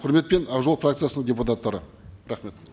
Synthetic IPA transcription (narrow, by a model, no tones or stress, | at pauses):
qʰʊɾme̞t̪̚pe̞nɑʁʒolˠfrakt̪sɨjasənəɴdʲeput̪at̪ːɑɾə̰ | ɾaχme̞t̪